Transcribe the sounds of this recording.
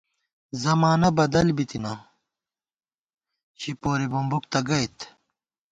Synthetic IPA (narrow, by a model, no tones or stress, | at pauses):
zɐmaːnɐbɐd̪ɐlbit̪ina | ɕipoːɾibumbuk̚t̪ɐɡɐjt̪